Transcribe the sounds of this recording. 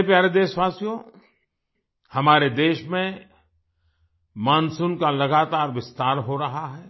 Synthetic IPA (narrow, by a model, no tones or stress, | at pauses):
epjaːɾed̪eːʃʋaːsjõ | hɐmaːɾed̪eːʃmẽ | mãːnsunkalɐɡaːt̪aːɾʋɪst̪aːɾɦoɾɐɦaɦɛː